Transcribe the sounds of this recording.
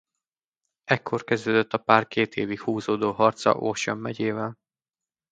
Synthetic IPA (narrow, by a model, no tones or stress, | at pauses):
ɛkʰːo̞rkɛzd̪øːd̪øt̪ʰːɒpaːrkeːt̪ʰeːvikhuːzoːd̪oːɦɒrt̪sɒ̰ʔorʃɒmːɛɟeːvɛl